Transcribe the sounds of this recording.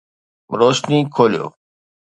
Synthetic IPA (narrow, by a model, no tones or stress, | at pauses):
ɾoːʃniːkʰoːlijo̰ː